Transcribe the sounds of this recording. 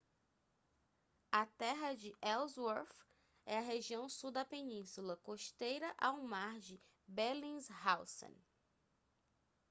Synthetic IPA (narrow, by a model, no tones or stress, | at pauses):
ɐt̪ɛɦɐd͡ʒɪʔɛwzwoɾf | ɛɐɦeʒiɐ̃w̃suwd̪ɐpenĩsulɐkoʃt̪ejɾɐʔawmaɾd͡ʒɪ | belĩzhawsõ̰